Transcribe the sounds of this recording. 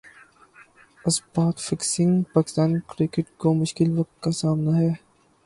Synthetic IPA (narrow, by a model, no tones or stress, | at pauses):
ɐsbaːt̪fɪksɪ̃ŋɡpaːkɪ̥st̪aːnkɾɪkɪʈkomʊʃkɪlʋɐk̚t̪̚kasaːmnaɦɛː